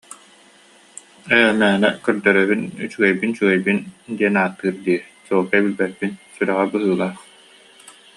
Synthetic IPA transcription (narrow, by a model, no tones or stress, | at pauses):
ɛjmæːnɛ̰kœɾd̪œɾœβynyt͡ɕyɡɛjbint͡ɕyɡɛjbind̪iɛnaːt̪ːɯːɾd̪iːsuːlk̪abilbɛt̪̚pːinsyɾœʁɛbɯɦɯːlˠaːχ